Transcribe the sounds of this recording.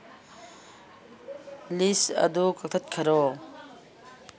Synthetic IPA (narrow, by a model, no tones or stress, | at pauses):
lisɐ̰d̪ukɐk̚t̪ʰɐt̪̚kʰɐɾɔ